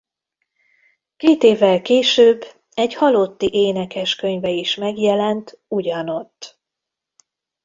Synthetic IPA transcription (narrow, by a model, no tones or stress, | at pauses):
keːt̪eːvːɛlkeːʃøːbː | ɛɟhɒlot̪ːiʔeːnɛkɛʃkøɲvɛiʃmɛɡjɛlɛnt̪uɟɒno̞t̪ː